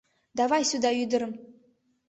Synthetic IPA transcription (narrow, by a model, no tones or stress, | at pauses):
d̪ɑvɑjsud̪ɑyd̪ɪ̆ɾəm